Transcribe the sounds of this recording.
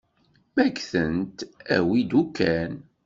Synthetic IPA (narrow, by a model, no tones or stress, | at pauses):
mækθənt̪æ̰wid̪ukːæn